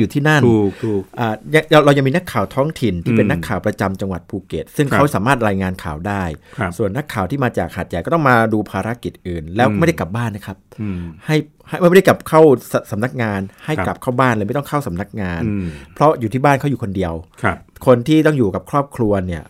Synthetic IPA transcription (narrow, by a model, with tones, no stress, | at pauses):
juː˨˩t̪ʰiː˥˩na˥˩nː˧ʔʔaː˨˩ja˧ŋa˧wɾa˧ja˧ŋmiː˧na˦˥kʰːaː˨˩wt̪ʰɔː˦˥ŋt̪ʰi˨˩nt̪ʰiː˥˧pe˧nːa˦˥tkʰːaː˨˩wpɾa˧t͡ɕa˧mt͡ɕa˧ŋwa˨˩t̪̚pʰuː˧ke˨˩t̪̚sɯ˥˩ŋkʰa˦˥wsaː˩˦maː˥˩t̪̚ɾaː˧jŋaː˧nkʰaː˨˩wdaː˥˩jʰsu˨˩ənːa˦˥kʰːaː˨˩wt̪ʰiː˥˩maː˧t͡ɕaː˨˩k̚haː˨˩t̪̚ja˨˩jkɔː˥˩t̪ɔ˥˩maː˧duː˧pʰaː˧ɾa˦˥ki˨˩t̪̚ʔɯː˨˩nlɛː˦˥wm˥˩jda˥˩jkla˨˩p̚baː˥˩nːa˦˥kʰa˦˥p̚ha˥˩j | ha˥˩jm˥˩m˥˩da˥˩ka˨˩p̚kʰa˥˩wssa˩˦mna˦˥k̚ŋaː˧nha˥˩jka˨˩p̚kʰa˥˩wbaː˥˩nlaː˧˩m˥˩t̪ɔ˥ŋkʰa˥˩wsa˨˦mna˦˥k̚ŋaː˧npʰɾɔ˦˥juː˨˩t̪ʰiː˥˩baː˥˩nkʰa˦˥wjuː˨˩kʰo˧ndi˧əwʰkʰo˧nt̪ʰiː˥˩t̪ɔ˥˩ŋjuː˨˩ka˨˩p̚kʰɾɔː˥˩p̚kʰlu˧ɐni˥˩ɐ